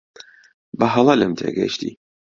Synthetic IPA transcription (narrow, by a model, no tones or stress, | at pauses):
bɐɦɐlˠɐlɨmt̪ʰḛːɡɐ̰jʃt̪ḭː